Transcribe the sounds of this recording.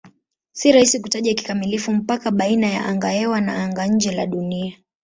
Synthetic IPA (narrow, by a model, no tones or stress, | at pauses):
siɾahisikutaʄaki̥kamilifum̩pakaɓainaja̰ʔaŋɡaɛwana̰aŋɡaɲ̩d͡ʒɛla̰ɗunia